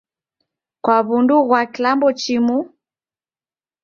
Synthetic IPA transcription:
kwaβunduɣwakilambɔt͡ʃimu

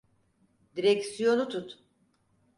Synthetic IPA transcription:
d̪iɾɛcsijo̞nut̪ʰut̪

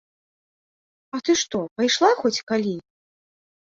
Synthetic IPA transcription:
ɐt̪ɨʂt̪ɔpajʂlˠaxɔt͡sʲkalʲi

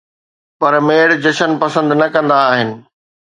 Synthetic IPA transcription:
pɐɾmeːɽd͡ʑɐʃənpɐsə̃nd̪nɐkɐ̃nd̪aːɦɪnɪ̆

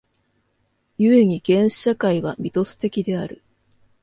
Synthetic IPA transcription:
jɯe̞ɲ̟iɡ̥ẽ̞ɰ̃ɕi̥ɕakaiβamʲit̪o̞sɨ̥t̪e̞kʲid̪e̞aɾɯ̟

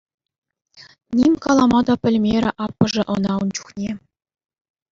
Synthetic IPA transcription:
nʲimʲkɑlˠɑmɑd̪ɑpʲɘ̆lʲmʲeɾʲɘ̆ʔɑpːɤ̆ʐɘ̆ʔɤ̆nɑunt͡ɕu̥χnʲe

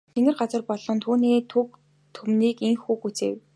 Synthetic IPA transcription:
t̪ʰeŋɘ̆rɢat͡sə̆rpɔɮɞ̆nt̪ʰuːniːt̪ʰɵk | t̪ʰɵmniːkeŋxuːkut͡seːw

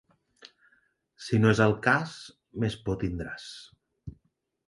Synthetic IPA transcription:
sinoezəlˠkas | mespot̪ind̪ɾas

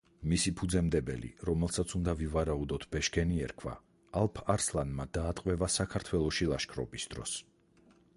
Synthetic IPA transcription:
misipʰud̪zɛmd̪ɛbɛ̰lḭɾɔmɛlˠsat̪sʰund̪avivaɾaud̪ɔt̪ʰbɛʃɡɛniɛɾkʰwa̰ː | lˠpʰaɾslˠanmad̪aːt̪ʼqʼvɛvasakʰaɾt̪ʰwɛlˠɔʃilˠaʃkʰɾɔ̰bisd̪̥ɾɔ̰s

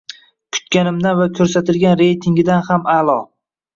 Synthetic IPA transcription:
kʰʊ̥t̪̚kʲanɪmd̪anvakʲʰɵɾsat̪ʰɪlɡʲanɾe̞jt̪ʰɪŋɡʲɪd̪anhamalˠɒ

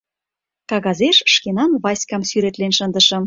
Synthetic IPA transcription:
kɑɣɑzeʃʃkenɑnβɑsʲkɑmsyɾet̪lenʃə̆nd̪ə̆ʃɤ̆m

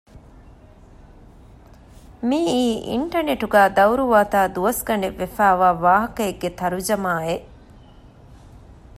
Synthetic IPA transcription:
miːiːʔḭɳʈɐneʈuɡæːd̪ɐwɾuʋaːt̪aːd̪uʋɐsɡɐɳeʋːefæːʋaːʋaːɦɐkɐeɡːet̪ɐɾud͡ʒɐmaːe

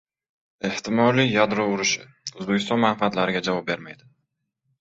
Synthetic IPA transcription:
e̞ht̪ʰɪmɒlɪjad̪ɾɒʊɾɪʃɪ̰ | ʊzbekʲʰɪst̪ɒnmanfɪat̪laɾɪɡʲad͡ʒavɒp̚be̞ɾmajd̪ɪ

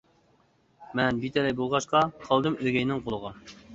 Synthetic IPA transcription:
mɛnbit̪ʰɛlɛjbolˠʁɑʃqɑqʰɑlˠd̪ɨmøɡʲɛjnɪŋqʰolˠəʁɑ

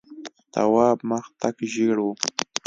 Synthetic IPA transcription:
t̪a̰wɑːmaxt̪akʒiɽwu

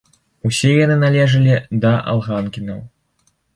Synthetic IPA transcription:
usʲɛjanɨnalʲɛʐɐlʲid̪ɐʔa̰lˠɣankʲinɐw

